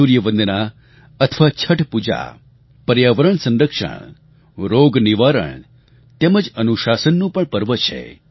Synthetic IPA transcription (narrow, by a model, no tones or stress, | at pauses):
uɾjəʋə̃nd̪na | ət̪ʰəʋat͡ʃʰəʈpud͡ʒa̰ | pəɾjaʋəɾəɳsə̃nɾəkʂə̰ɳ | ɾoɡniʋaɾə̰ɳ | t̪eməd͡ʒənuʃasənːũpəɳpəɾʋət͡ʃʰḛ